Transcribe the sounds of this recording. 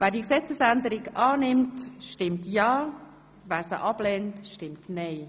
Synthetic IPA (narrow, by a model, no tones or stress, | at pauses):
væːɾdiəksɛt͡səsændəɾɪɡʔɑːnɪmtʃtɪmtjɑː | væːɾsə̰ʔɑblɛːntʃtɪmtnɛɪ